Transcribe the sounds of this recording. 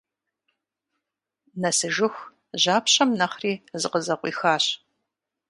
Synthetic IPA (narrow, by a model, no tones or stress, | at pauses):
nɐsɨʒɨxʷ | ʑaːpʰɕɐmnɐχriːzɨqəzɐqʷḭːxaːɕ